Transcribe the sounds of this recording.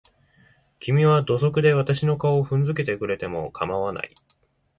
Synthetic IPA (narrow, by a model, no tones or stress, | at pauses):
kʲimʲiβad̪o̞so̞kɯ̟d̪e̞β̞at̪aɕino̞kaoɸɯ̟̃nd͡zɨk̬e̞t̪e̞kɯ̟ɾe̞t̪e̞mo̞̰kʰamaβana̰i